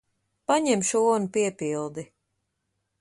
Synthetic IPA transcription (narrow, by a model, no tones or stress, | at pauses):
paɲɛmʃuːɔnupiɛpilˠd̪i